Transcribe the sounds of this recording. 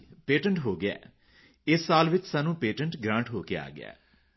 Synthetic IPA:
peːʈə̃ɳʈɦoːɡɪɛ̰ː | ɪsːaːlʋɪt͡ʃsaːnũːpeːʈə̃ɳʈɡɾãːɳʈɦoːkea̰ːɡɪ̰a̰ː

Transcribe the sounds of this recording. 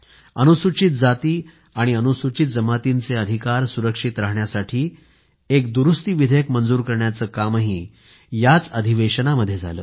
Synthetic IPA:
ənusut͡ɕit̪̚d͡zat̪iː | aɽ̃iənusut͡ɕit̪̚d͡zəmat̪int͡seəd̪ʱikaɾsuɾəkʂit̪ɾaɦɳjasaʈʰiː | ekd̪uɾust̪iːʋid̪ʱjəkmənd͡zuːɾkəɾɳjat͡səːkaməɦiː | jat͡səd̪ʱiʋeɕənaməd̪ʱːjed͡za̰lə̰ː

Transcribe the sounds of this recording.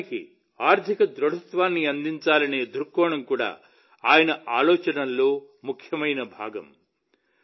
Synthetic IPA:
ikḭ | aːɾt̪ʰikɐd̪ɾɐɽɐt̪ʋaːnːiɐnd̪iɲt͡ʃaːlɐne̞ːd̪uɾkːɔːɳɐmkuːɽa̰ː | aːjɐnɐʔaːlɔːt͡ʃɐnɐlːoː | mukʰjɐmɐjnɐbʱaːɡɐ̰m

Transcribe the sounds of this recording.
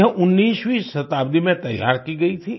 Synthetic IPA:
ɦəʔʊnːiːswisɐt̪aːbd̪imẽt̪ɐja̰ːɾkiɡɐit̪ʰi

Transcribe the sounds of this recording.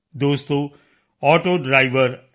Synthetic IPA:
d̪oːst̪o | ɔːʈoɖɾaɪʋəɾ

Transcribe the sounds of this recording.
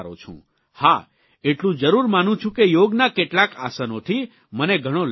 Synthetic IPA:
ɾo̰t͡ʃʰṵ̃ | ha̰ | eʈlũd͡ʒəɾuɾmanũt͡ʃʰũkejoɡnakeʈlaka̰sənot̪ʰi | məneɡʱəɽ̃ol

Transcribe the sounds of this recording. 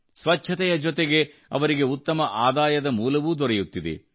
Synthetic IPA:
sʋɐt͡ʃːt͡ʃʰːɐt̪ɛjɐd͡ʒɔt̪eɡe̞ | ɐ̰ʋɐɾiɡe̞ut̪ːɐmɐʔaːd̪aːjɐd̪ɐmuːlɐʋuːd̪ɔɾɛjut̪ːid̪ḛ

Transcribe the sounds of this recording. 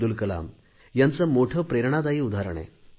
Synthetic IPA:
ulkəla̰m | jant͡səmoʈʰəːpɾeɾɳad̪aiːud̪ʱaɾɳ̃ḛ

